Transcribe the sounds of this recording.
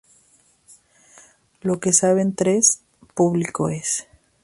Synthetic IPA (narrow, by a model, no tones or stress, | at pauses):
lo̞ke̞saβent̪ɾes | puβlikoe̞s